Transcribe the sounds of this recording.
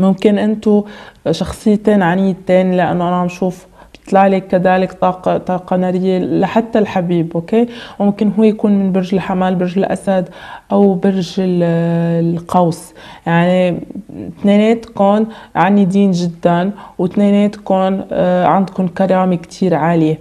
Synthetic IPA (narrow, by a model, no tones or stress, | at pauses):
mʊmkɪnʔɪnt̪uʃɑxsˤɨjːat̪eːnʕanɪjːt̪eːnlɪʔa̰nːoʔananʃuːf | bt̪ˤlaʕlekːad̪aːlɪkt̪ɑːqɑt̪ˤɑːqɑnaɾɪjːelaħat̪ːalħabiːbʔokeːmɪmkɪnɦuːjjakuːnmɪnbɪɾʒɪlħamaːlbɪɾʒɪlʔa̰sad̪ʔawbɪɾʒɪllqɑws | jaʕni | t̪neːneːt̪kʊnʕanid̪iːnʒɪd̪ːanwt̪neːneːt̪kʊnʕand̪kʊnkɑɾˤɑːmekt̪ʰiːɾʕaːlje